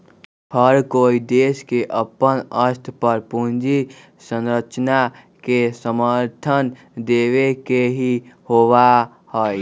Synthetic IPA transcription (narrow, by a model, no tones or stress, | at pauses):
həɾkoːid̪eːskeʔəpənəst̪ʰpəɾpund͡ʒi | sə̃nɾət͡ʃna | kesəməɾt̪ʰən | d̪eːʋekeɦihoʋa | hɔi